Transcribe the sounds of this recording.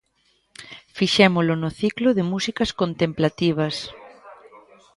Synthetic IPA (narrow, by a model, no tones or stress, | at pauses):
fiʃɛmʊlʊnʊθiklʊðɪmusikɐskont̪ẽmplat̪iβ̞ɐs